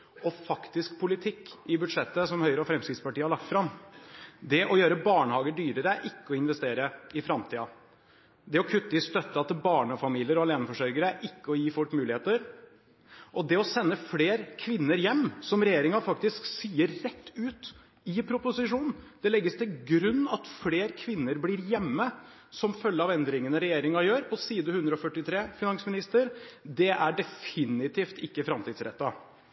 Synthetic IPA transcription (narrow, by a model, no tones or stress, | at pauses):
ɔfɑkt̪ɪsk̚pʰʊlɪt̪ʰɪkːɪbʉd̪ʂɛt̪ːəsɔmhœʏəɾɔfɾɛmskɾɪt̪spɑʈiːəhɑɭɑk̚t̪fɾɑm | d̪ɛʔɔjøːɾəbɑːɳəhɑːɡəɖyːɾəɾəʔɪkːəɔɪnʋɛst̪eːɾəɪfɾɑmt̪ʰiːɑ | d̪ɛɔkʰʉt̪ːəɪst̪œt̪ːəɑt̪ɪlbɑːɳəɔfɑmiːlɪəɾɔɑleːnəfɔʂœɾɡəɾəʔɪkːəɔjiːfʊʈːmʉːlɪeːt̪əɾ | ʔɔd̪ɛɔsɛnːəfleːɾkʰʋɪnːəɾjɛmːsɔmɾɛjeːɾɪŋɑfɑkt̪ɪsksiːəɾːɛt̪ːʉːt̪ | ɪpʰɾʊpʊsɪʂuːnn̩d̪̥ɛlɛɡːəst̪ʰɪlɡɾʉnːɑt̪fleːɾkʰʋɪnːəɾbliːɾjɛmːə | sɔmfœlːəɑʋɛnd̪ɾɪŋənəɾɛjeːɾɪŋɑjøːɾpʰɔsiːd̪əhʉnd̪ɾəɔfœʈːɪt̪ʰɾeːfɪnɑŋsmɪnɪst̪əɾd̪ɛʔæɖɛfɪnɪt̪ʰiːft̪ɪkːəfɾɑmt̪iːd̪sɾɛ̰t̪ːɑ